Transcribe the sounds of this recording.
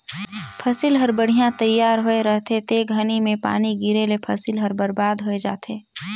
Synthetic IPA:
pʰəsilɦɐɾbəɽ̤ijãt̪ɐjːaːɾɦoeɾəɦt̪et̪eːɡʱənimẽpa̰ːniɡiɾelepʰɐsilɦəɾbəɾbaːd̪ɦoed͡ʒa̰ːt̪ʰeː

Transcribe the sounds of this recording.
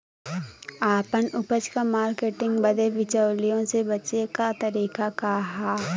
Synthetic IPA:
aːpənʊpət͡ʃkamaːɾkeːʈɪ̃ŋɡbəd̪eʋɪt͡ʃəːlijõsebɐt͡ʃekat̪ɐɾiːkakaɦaː

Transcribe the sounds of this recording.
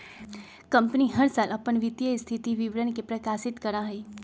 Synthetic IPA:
kɐ̃mpniɦɐɾsaːlʔɐpənʋɪd̪jəɪst̪ʰɪt̪iʋɪʋɾənkepɾɐkaːsɪt̪kɐɾãɦiː

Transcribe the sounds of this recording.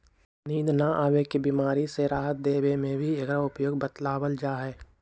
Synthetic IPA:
niːd̪naʔaːʋekebimaːɾiseɾaːɦət̪̚d̪eːwemẽbʱiɐɡɾaʊpjoːɡ̚bət̪laːwəld͡ʒaːɦɛː

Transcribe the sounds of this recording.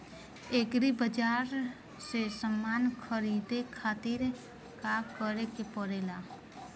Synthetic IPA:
ekɾibəd͡ʒaːɾ | sesəmːaːnkʰəɾiːd̪ekʰaːt̪ɪɾ | kakəɾekepəɾeːla

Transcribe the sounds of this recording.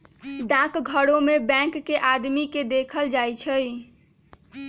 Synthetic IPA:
ɖãkɡʱəɽomebɛ̃kːeʔad̪miked̪ekʰəld͡ʒajt͡ʃʰəj

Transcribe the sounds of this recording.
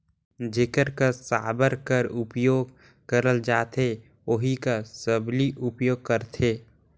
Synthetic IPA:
d͡ʒekəɾkasaːbəɾkəɾʊpjoːɡ | kəɾəld͡ʒaːt̪ʰe | oɦikasəbliʔʊpjoːɡ̚kəɾt̪ʰeː

